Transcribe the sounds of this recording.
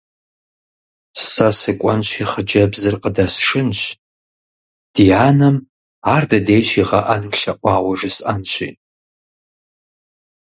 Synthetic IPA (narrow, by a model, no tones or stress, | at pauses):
ssɐsɨkʷʼɐnɕʷʰiːχəd͡ʒɐbzɨrqədɐsʂɨnɕʷ | d̥iʕaːnɐm | aːrdɐdejʃiʁɐʔɐnɬɐʔʷɑːwɐʐɨsanɕʷʰḭː